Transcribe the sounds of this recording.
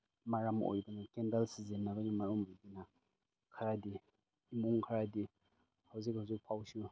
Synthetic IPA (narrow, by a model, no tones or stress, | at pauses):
maɾamo̰jbɐnakendalsizenːabanimaɾumajdina | kʰaɾadiː | muŋkʰaɾadi | hawzikhawzik̚pʰawsu